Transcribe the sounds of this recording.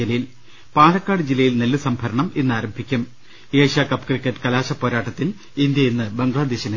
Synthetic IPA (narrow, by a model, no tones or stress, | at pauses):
ilːɐjil | paːlɐkːaːɽɨd͡ʑilːɐjilnelːusɐmbʱɐɾɐɳɐme̞nːaːɾɐmbʱikʲːum | eːʂaːkɐpkrikːɐʈːɨ̥kɐlaːɕɐpːo̞ːɾaːʈːɐt̪ːil | ind̪jɐjinːɨbɐŋɡlaːd̪eːɕin